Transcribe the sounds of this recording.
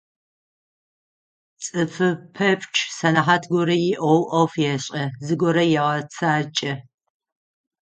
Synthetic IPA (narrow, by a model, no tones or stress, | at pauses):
t͡sʼɨfɨpʰɐpʰʼt͡ʃʰʼsɐnaħaːtʰɡʷɔɾɐjɪʔʷɔwʔɐfjɛɕʼɐzɨɡʷɔɾɐjɛʁɐt͡sʰaːt͡ʃʼɐ